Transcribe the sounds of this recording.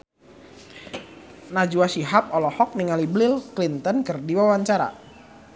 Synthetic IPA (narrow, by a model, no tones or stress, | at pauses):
nad͡ʒuasiɦap̚ɔlɔhɔk̚niŋaliblɪlklint̪ənkərdiwawaɲt͡ʃaɾa̰